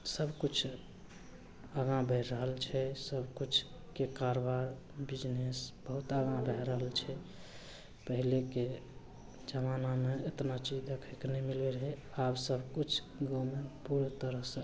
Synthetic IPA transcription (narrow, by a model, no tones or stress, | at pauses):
səbkut͡ʃʰ | aɡãbʱəɾːəɦəlt͡ʃʰɛsəbʱkut͡ʃʰ | kekaɾobaɾ | bid͡ʒnesbəɦut̪aɡãbʱɛɾəɦəlt͡ʃʰɛ | pəɦileke | d͡ʒəmanameet̪nat͡ʃid͡ʒd̪ekʰeknemileɾəɦɛabsəbʱkut͡ʃʰ | ɡomepuɾet̪əɾəɦsə̃